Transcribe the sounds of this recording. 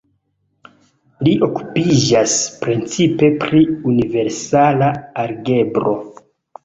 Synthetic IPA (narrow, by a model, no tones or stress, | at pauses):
liʔo̞ku̥pid͡ʒaspɾent͡sipe̞pɾiunive̞ɾsalaːɾɡe̞bɾo̞